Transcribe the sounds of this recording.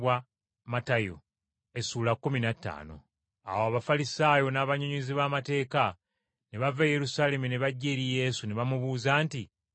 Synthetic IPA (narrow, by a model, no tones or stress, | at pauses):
wa | matajo̰ | e̞suːlakːuminatːa̰ːno̞̰ | a̰woaβafalisaːjo̞naːβaɲuɲiziβaːmate̞ːka | neβaveje̞ɾusaːle̞mune̞βaɟːeːɾije̞ːsuneβamuβuːzaːnti